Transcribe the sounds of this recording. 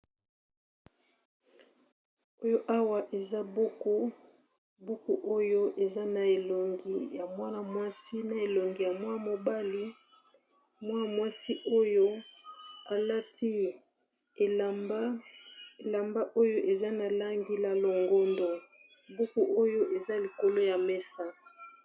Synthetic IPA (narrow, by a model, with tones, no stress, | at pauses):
o˦jo˦ʔa˦wa˨ʔe˨za˦bo˦ko˦ | bu˦ku˦ʔo˦jo˦ʔe˨za˦na˨e˨lo˨ŋɡi˨ja˨mwa˦na˨mwa˦si˦na˨e˨lo˨ŋɡi˨ja˨mwa˦˨mo˨ba˦li˦ | mwa˦˨mwa˦si˦ʔo˦jo˦ | a˨la˦ti˦ | e˨a˦e˨la˨mba˦ʔo˦jo˦ʔe˨za˦na˨la˦ŋɡi˦la˨lo˨ŋɡo˦ndo˨ | bu˦ku˦ʔo˦jo˦ʔe˨za˦li˨ko˨lo˦ja˨mɛ˦sa˦